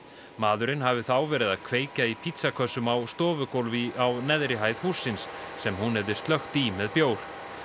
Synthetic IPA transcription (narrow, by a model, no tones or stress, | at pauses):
maːðʏɾɪnhavɪθawvɛːɾɪðaðkʰveːjcaipʰit̪sakʰœsːʏmawst̪ɔːvʏkowlviawnɛðɾɪɦaːjð̥husːɪnsːɛmhunhɛvðɪst̪lœxt̪imɛðpjoːwɾ̥